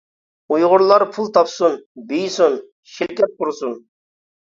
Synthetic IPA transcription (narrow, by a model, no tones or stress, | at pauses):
ujʁʊɾlˠɑɾpʰulˠt̪ʰɑpsunbijsun | ʃɪlkʲɛt̪̚qʊɾsun